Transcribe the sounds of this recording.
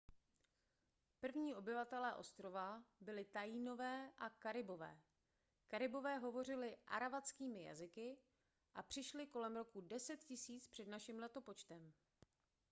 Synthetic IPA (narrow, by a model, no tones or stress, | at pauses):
pr̩vɲiːʔo̞bɪvat̪ɛlɛːʔo̞̰st̪ɾo̞vabɪlɪt̪ajiːno̞vɛːʔakaɾɪbo̞vɛ̰ː | kaɾɪbo̞vɛːɦo̞vo̞r̝ɪlɪʔa̰ɾavat͡skiːmɪja̰zɪkɪ | ʔapr̝̥ɪʃlɪko̞lɛmɾo̞kudɛsɛt̪cɪsiːt͡spr̥ɛdnaʃɪmlɛt̪opot͡ʃt̪ɛm